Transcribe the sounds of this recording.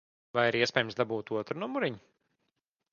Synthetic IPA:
vajiɾiɛspʲɛːjəmsd̪abuːt̪uɔt̪ɾunumuɾiɲu

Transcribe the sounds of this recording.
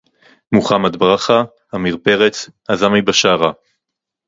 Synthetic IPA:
muχamat̪bʁaχa | amiʁpeʁet͡sazamajbaʃaʁa

